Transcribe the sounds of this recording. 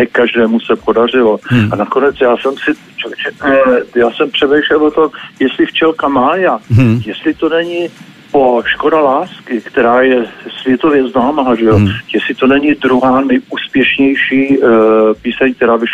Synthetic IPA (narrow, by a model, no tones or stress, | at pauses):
ɛkaʒdɛːmusɛpo̞dar̝ɪlo̞anako̞nɛt͡sjaːsɛmsɪ | t͡ʃovt͡ʃɛjaːsɛmpr̥ɛmɛjʃlɛlvot̪omjɛst̪lɪft͡ʃɛlkamaːjajɛslɪt̪o̞nɛɲɪ | po̞ʃko̞dalaːskɪkt̪ɛɾaːjɛsvjɛt̪o̞vjɛznaːmaːʒɛjojɛsɪt̪o̞nɛɲɪdɾuɦaːnɛjʔuːspjɛʃɲɛjʃiː | piːsɛɲkt̪ɛɾaːbɪʃ